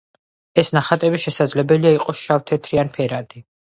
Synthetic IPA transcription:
ɛsnaχat̪ʼɛbiʃɛsad̪zlɛbɛliaiqʼɔʃaft̪ʰɛt̪ʰɾianpʰɛɾad̪ʼi

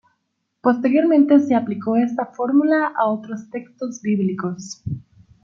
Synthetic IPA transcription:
po̞st̪e̞ɾjo̞ɾmẽnt̪eseapliko̞e̞st̪afo̞ɾmulaʔaot̪ɾo̞st̪e̞kst̪o̞zbiβliko̞s

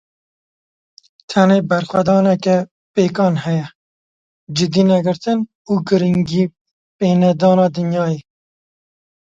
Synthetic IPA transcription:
t̪ʰɛneːbɛɾxwɛd̪ɑːnɛkɛ | peːkɑːnhɛjɛ | d͡ʒɪd̪iːnɛɡɨɾt̪ɨn | uːɡɨɾiŋɡiː | peːnɛd̪ɑːnɑːd̪ɨnjɑːjeː

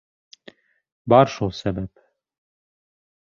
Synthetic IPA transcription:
baɾʃosɛbɛp

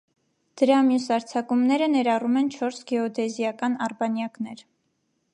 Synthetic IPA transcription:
d̪̥əɾɑmjusɑɾt͡sʰɑkumnɛɾənɛɾɑrumɛnt͡ʃʰɔɾsɡɛɔd̪ɛzijɑkɑnɑrbɑnjɑkn̪ɛɾ

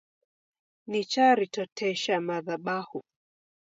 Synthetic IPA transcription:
nit͡ʃaɾitɔtʰɛʃamaðaɓahu

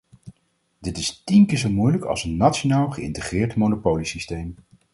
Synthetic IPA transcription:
dɪtɪstinkɪːɹzowmujləkɑ̰lˠsənːatʃonaːlˠχəɪ̰ntəχrɪːɹtmownopowlisistejm

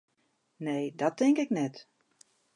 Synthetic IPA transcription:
neːdɔtɪŋkɪknɛt

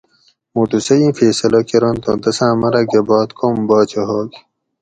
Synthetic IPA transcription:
muʈusɐjĩːfeːsɐlɐkeɾont̪õ̰d̪ɐsãːmɐɾɐɡebaːt̪kʰombaːt͡ɕɐɦoːk

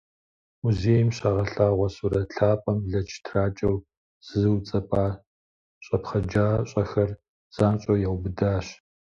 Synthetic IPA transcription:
muzeːjmɕaːʁɐɬaːʁʷɔsuɾɐɬʰaːpʼɐmɮɐt͡ʃʰtʰraːt͡ʃʼɐw | z̥ɨzɨwt͡sʼɐpʼaː | ɕʼɐpχɐd͡ʒaːɕʼɐxɐr | z̥aːnɕʼɐwjawbɨdaːɕ

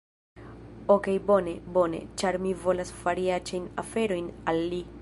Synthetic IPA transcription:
okejbo̞ne̞bo̞ne̞̰t͡ʃaɾmivo̞lasfaɾiat͡ʃajnafe̞ɾo̞jnalːi

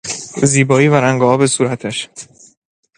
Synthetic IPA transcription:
ziːbɒːiːvæɾæŋɡɒɒːbe̞suːɾæt̪ʰæʃ

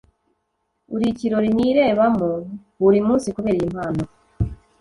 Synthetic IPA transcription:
uɾiciɾo̞ɾiniɾe̞ːβamo | βuɾimuːnsikuβe̞ːɾijim̥haːno

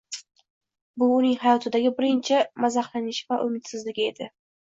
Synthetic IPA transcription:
bʊːnɪŋhajɒt̪ʰɪd̪aɡʲɪbɪɾɪnt͡ʃʰɪmazahlanɪʃɪvaʔʊmɪt̪sɪzlɪɡʲɪe̞d̪̥ɪ

